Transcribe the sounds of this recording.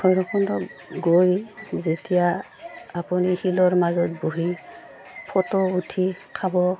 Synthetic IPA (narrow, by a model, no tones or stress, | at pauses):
kʰɔjɹɔkɔndɔɡojzetija | apunihilɔɹmazɔt̚boɦi | pʰɔtɔutʰikʰabɔ